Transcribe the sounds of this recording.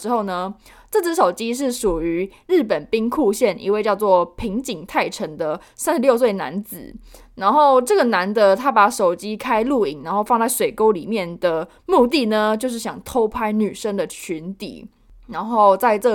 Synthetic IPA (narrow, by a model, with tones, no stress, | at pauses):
ʈ͡ʂɻ̩˥xo˥˩ʊnə˩ | ʈ͡ʂɤ˥˧˩t͡s̩˥ʂo˨˩ʊt͡ɕi˦˥ʂ̬ɻ̩˥˩ʂu˨˩y˧˦ɻ̩˥˩pə˨˩npi˦˥ŋkʰu˥˧ɕjɛ˥˩nʔḭ˧˥we˥˧ɪt͡ɕjɑ˥˧ʊt͡swɔ˥˩pʰi˧˥ŋt͡ɕi˨˩ŋt̪ʰa˥˩ɪʈ͡ʂʰə˧˥ŋd̪ə˨ | sa˦nʂɻ̩˨˧ljʊs̬we˥˩ɪna̰˧˦˥nt͡sɹ̩̰˨˩ | na˧˥nxo˥˩˧ʊʈ͡ʂɤ˥˩ɡə˩na˧˥nd̪ə˧t̪ʰa˥pa˨˩ʂo˨˩ʊt͡ɕi˦˥kʰa˥ɪlu˥˩i˨˩ŋna˧˦nxo˥˧ʊfɑ˥˧ŋt͡sa˥˩ɪʂwe˨˩ɪko˥ʊli˨˩mjɛ˥˩nd̪ə˩ | mu˥˧t̪̬i˥˩nə˩t͡ɕjo˥˧ʊʂ̬̩˥˩ɕjɑ˨˩ŋt̪ʰo˦˥ʊpʰa˥ɪny˨˩ʂə˦ŋd̪ə˨t͡ɕʰy˧˥nt̪ḭ˨˩˦ | na˧˥nxo˥˧ʊt͡sa˥˧ɪʈ͡ʂə˥˩